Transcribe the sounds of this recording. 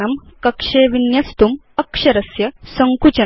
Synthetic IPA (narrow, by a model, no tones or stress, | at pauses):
ɐmkɐkʂeːʋinjɐst̪um | ɐkʂɐɾɐsjɐsɐŋkut͡ɕɐ